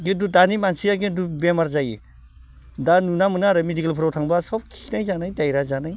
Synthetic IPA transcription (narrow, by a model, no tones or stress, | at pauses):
ɡedudanimansiaɡedubemaɾzajḭ | danunamɯnaɾɯmedikelpʰɯɾotʰaŋbasɔp̚kʰi̥najzanajdajɾazanaj